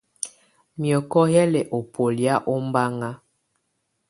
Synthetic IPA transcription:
mjɔ˨kɔ˦jɛ˦lɛ˨ʔo˨po˨lja˦ʔo˦m˦ba˦ŋa˦

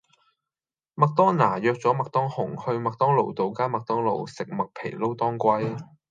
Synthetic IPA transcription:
mɐ˨k̚t̪ɔː˥ŋnaː˨˩jœː˨˧k̚t͡sɔː˨˥mɐ˨k̚t̪ɔː˥ŋhʊ˨˩ŋhɵ˧ɥmɐ˨k̚t̪ɔː˥ŋlo˨˩wt̪o˨˩wkaː˥nmɐ˨k̚t̪ɔː˥ŋlo˨wsɪ˨k̚mɐ˨k̚pʰe˨˩jlo˥wt̪ɔː˥ŋkʷɐ˥j

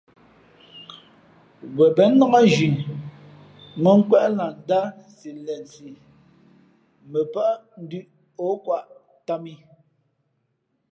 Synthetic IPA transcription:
wɛ˨bɛ˨˦n̩˦nɔ˦ŋa˦d͡ʒi˨ | mə˦ŋ̩˦kwɛ˦ʔla˨n̩˨˦da˦ | si˨lɛ˨n˨si˨ | mə˨pa˦ʔn̩˦dʉ˦ʔ | o˨˦kwa˦˨ʔ | ta˦mi˦

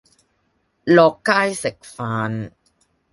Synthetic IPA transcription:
lɔː˨˧kːaː˥jsɪ˨k̚faː˨˧n

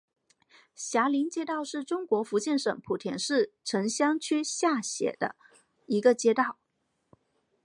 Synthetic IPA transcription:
ɕja˧˥li˧˥nt͡ɕjɛ˥t̪ɑ˥˧ʊʂɻ̩˥˩ʈ͡ʂʊ˥ŋkwɔ˧˥fu˧˥t͡ɕɛ˥˩nʂɤ̰˨˩ŋpʰu˨˩t̪ʰjɛ˧˥nʂɻ̩˥˩ʈ͡ʂʰɤ˧˥ŋɕjɑ˥ŋt͡ɕʰy˥ɕja˥˩ɕjɛ̰˨˩d̪ə̰˦ | i˧˥ɡə˧t͡ɕjɛ˥t̪ɑ˥˩ʊ

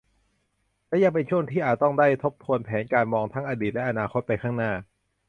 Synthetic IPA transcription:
lɛː˦˥ja˧ŋpe˧nt͡ɕʰu˥˩əŋt̪ʰiː˥˩ʔaː˨˩t̪ːɔ˥˩ŋdaː˥˩jt̪ʰo˦˥p̚t̪ʰu˧ənpʰɛː˩˦nkaː˧nmɔː˧ŋt̪ʰa˦˥ŋʔaː˧diː˨˩t̪̚lɛ˦˥ʔa˧naː˧kʰo˦˥t̪̚pa˧jkʰaː˥˩ŋnaː˥˩

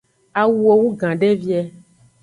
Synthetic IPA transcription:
a˨wu˦o˨wu˦ɡã˨ɖe˦vi˦ɛ˨

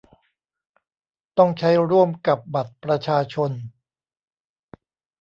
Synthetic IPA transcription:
t̪ɔ˥˩ŋt͡ɕʰa˦˥jɾu˥˩əmka˨˩p̚ba˨˩t̪̚pɾa˧t͡ɕʰaː˧t͡ɕʰo˧n

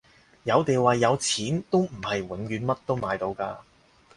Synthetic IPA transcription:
jɐ˨˧wt̪e˨jwaː˨jɐ˨˧wt͡sʰiː˨˥nt̪o˥wm̩˨˩hɐ˨jwɐ˨˥nkyː˨˧nmɐ˥t̚t̪o˥wmaː˨˧jt̪o˨˧wkaː˧

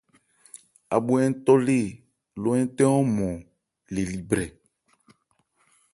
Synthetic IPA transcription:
a̰˨bu˨ɛ˦n˦t̪ɔ˦le˦˨ | lo˦ɛ˦t̪ɛ˦ɔ̃˦mɔ̃˨ | le˨li˨bɾɛ˨

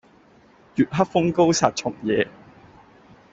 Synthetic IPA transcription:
jyː˨t̚ɦɐ˥k̚fʊ˥ŋko˥wsaː˨t̚t͡ʃʰʊ˨˩ŋjɛː˨˧

